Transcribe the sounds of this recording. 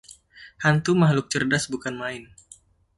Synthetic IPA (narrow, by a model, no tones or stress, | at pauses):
hant̪umahlʊk̚t͡ʃərdasbukanmaɪn